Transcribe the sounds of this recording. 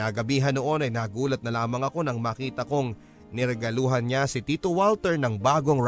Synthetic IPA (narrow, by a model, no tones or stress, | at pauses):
aːɡɐbiːɦɐnoʔo̞nɐjnaːɡuːlɐt̪̚nɐlaːmɐŋɐko̞nɐŋmaːkiːt̪ɐko̞ŋ | nɪɾɛɡɐluːɦɐnɲasɪt̪iːt̪owalt̪ɛɹnɐŋbaːɡo̞ŋɾ